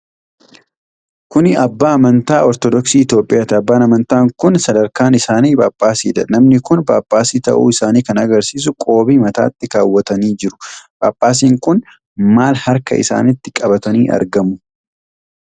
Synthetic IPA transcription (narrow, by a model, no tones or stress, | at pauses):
kʊnɪɐbːaːɐmɐnt̪aːɔɾt̪ɔd̪ɔksiːɪt̪jo̞ːpʼɪjaːt̪ɪɐbːaːnɐmɐnt̪aːŋkʊnsɐd̪ɐɾkaːnɪsaːniːbaːbʼːaːsḭːd̪ɐnɐmnɪkʊnbaːbːaːsiːt̪ɐ̰ʔṵːɪsaːniːkɐnɐɡɐɾsiːs̬ʊkʼo̞ːbiːmɐt̪a̰ːt̪ːɪkaːwːɐt̪ɐniːd͡ʒɪɾʊ̥b̥a̰ːbːaːs̬iːŋkʊn | maːlhɐɾkɐ̰ʔɪ̰sa̰ːnɪt̪ːɪkʼɐbɐt̪ɐniːʔɐ̰ɾɡɐmʊ